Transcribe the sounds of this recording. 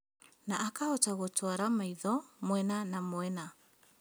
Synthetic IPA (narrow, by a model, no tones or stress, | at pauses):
naʔakaɔtaɣotwaɾamaiðɔmwɛnanamwɛna